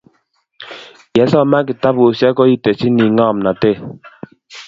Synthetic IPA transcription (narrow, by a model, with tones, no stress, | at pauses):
jɛ˨˦sɔ˦ma˦k̬i˨ta˦bo˨sja˦kɔ˦i˦tɛ˨si˦ni˨ŋɔ˦˨mna˨te˦˨